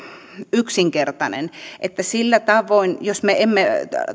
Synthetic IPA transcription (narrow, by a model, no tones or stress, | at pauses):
yksiŋkert̪ɑnḛnʔet̪ːæsilːæt̪ɑʋoinjosmeemːe